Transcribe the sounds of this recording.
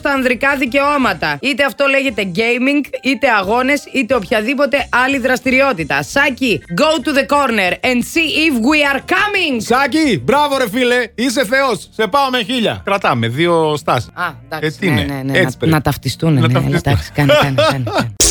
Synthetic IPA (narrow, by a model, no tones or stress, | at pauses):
st̪ɐːnðɾikɐðice̞o̞mɐt̪ɐit̪e̞ɐft̪o̞le̞ʝe̞t̪e̞ɟejmiŋɡit̪e̞ɐɣo̞ne̞sit̪e̞o̞pçɐðipo̞t̪e̞ʔɐliðɾɐst̪iɾio̞t̪it̪ɐsɐciɡowt̪uðeko̞ɾneɾend̪siifwiɐɾkɐmiŋsɐcibɾɐvoɾe̞file̞is̬e̞θe̞osse̞pɐomeçiʎɐ̰kɾɐt̪ɐme̞ðio̞st̪ɐsi̥ɐd̪ɐest̪inḛei̥nɐt̪ɐft̪ist̪unnɐɐfistd̪si̥kɐnnn